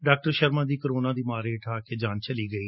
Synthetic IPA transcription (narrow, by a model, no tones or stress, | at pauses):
ɖaːk̚ʈəɾʃəɾmãːd̪iːkəɾoːnãːd̪iːmaːɾeːʈʰaːkeːd͡ʒaːnt͡ʃəliːɡəiː